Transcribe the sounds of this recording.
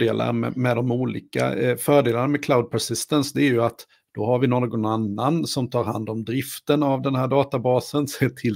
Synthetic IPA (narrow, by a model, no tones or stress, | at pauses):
ɖeːlʔa̰ɾmɛ̰mɛd̪ɔmuːlḭːka̰fœːɖeːlaɳamɛkʰlaʊd̪̚pʰæʂɪst̪ənsd̪ɛæɾjɵat̪ | d̪̥ɔɦaɾvɪnoɾɡɔnanːansɔmt̪ʰɑːɾɦa̰nd̪ɔmd̪ɾɪft̪ənavd̪ɛnhæːɖɑːt̪abɑːsənseːʈ̪ʰɪl